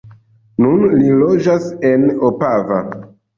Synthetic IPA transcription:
nunlilod͡ʒasenopava̰

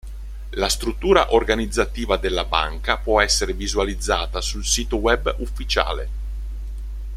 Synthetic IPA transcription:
last̪ɾut̪ːuːɾa̰ʔorɡanid̪zːat̪iːvad̪elːaba̰ŋkapwɔɛsːeɾevizualid̪zːaːt̪asulsiːt̪owɛbufːit͡ʃa̰ːlḛ

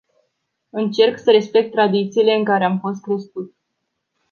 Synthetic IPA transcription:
ɨnt͡ʃe̞rksəɾe̞spe̞k̚t̪ːɾad̪it̪siːle̞ɨŋkaɾe̞amfo̞s̬t̪̚kɾe̞skut̪

